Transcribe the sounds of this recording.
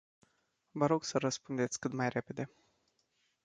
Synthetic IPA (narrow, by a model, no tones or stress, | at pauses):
vəɾo̞ɡsəɾəspund̪e̞t̪sʲkɨt̪majre̞pe̞d̪e̞